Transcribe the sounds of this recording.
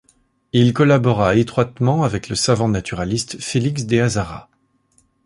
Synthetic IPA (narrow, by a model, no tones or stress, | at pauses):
ilkɔlabɔʁaet̪χwat̪mɑ̃avɛkləsavɑ̃nat̪yʁalist̪feliksd̪eazaʁa̰